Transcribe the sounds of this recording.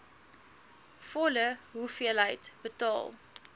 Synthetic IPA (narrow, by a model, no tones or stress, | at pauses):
fɔləɦufiəlɦəjtb̥ətɑ̰ːlˠ